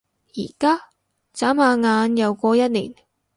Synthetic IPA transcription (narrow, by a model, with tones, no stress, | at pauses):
jiː˨˩kaː˥ | t͡saː˨˥maː˨˧ŋaː˨˧njɐ˨˧wkʷɔː˧jɐ˥t̚liː˨˩n